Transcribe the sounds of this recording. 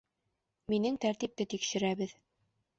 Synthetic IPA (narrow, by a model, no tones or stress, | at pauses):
minɘŋt̪æɾt̪ip̚t̪ɘt̪ikʃɘ̆ɾæβɘð